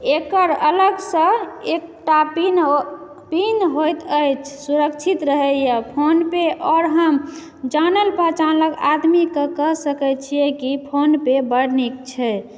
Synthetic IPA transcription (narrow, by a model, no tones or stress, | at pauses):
ekəɾələɡsə̃ek̚ʈapin | pinɦojt̪əjt͡ʃʰsuɾək̚t͡ʃʰit̪ɾəɦɛjəpʰonpeʔɔɾɦəm | d͡ʒanəlpət͡ʃanləɡa̰d̪mikəkəɦsəkɛt͡ʃʰijekipʰonpebəɽnikt͡ʃʰɛ